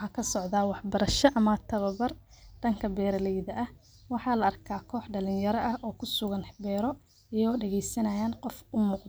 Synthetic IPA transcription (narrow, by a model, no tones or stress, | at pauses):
ɑkʰɐsɔʕðaːwɑħbɐɾɐʃɔʔɐmɐt̪ʰɐβɐbɐr | ɖ̥ɐŋkʰɐbɛːɾɐlɛjðɐʔɐh | wɑħɑːlɐɐrkʰaːkʰɔːħɖɐlɪnjɐɾɔʔɐhʔɔːkʰʊsʊɣɐnbɛːɾɔ | ijɐɣɔːɖɛɣɛjsɐnɐjaːnqɔfʊmʊːq̪